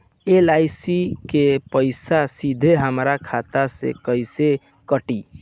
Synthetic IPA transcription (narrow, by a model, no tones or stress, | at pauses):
elaɪsikepəɪsasid̪ʱeɦəmɾakʰat̪asḛkəɪse | kəʈi